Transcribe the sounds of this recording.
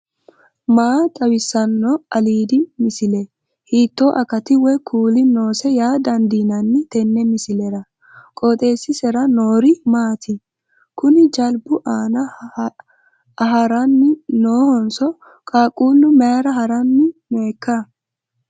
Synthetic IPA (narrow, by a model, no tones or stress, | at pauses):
maːt̪ʼɐwɪsːɐnːɔɐliːd̪ɪmɪsɪlɛ | hiːt̪ːoːʔɐkɐt̪ɪwɛkʰuːlɪnoːsɛjaːd̪ɐnd̪iːnɐnːɪt̪ɛnːɛmɪsɪlɛɾɐ | kʼoːt̪ʼe̞ːsːɪsɛɾɐnoːɾɪmaːt̪ʰɪ | kʊnɪd͡ʒɐlbʊʔaːnɐ | ɐɦɐɾɐnːɪnoːhɔnsɔ | kʼaːkʼuːlːʊmɛɐɾɐɦɐɾɐnːɪmeːkːɐ